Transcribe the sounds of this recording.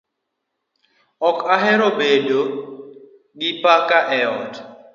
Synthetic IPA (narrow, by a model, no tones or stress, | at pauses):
ɔkaɦɛɾobedo | ɡɪpakaʔɛɔd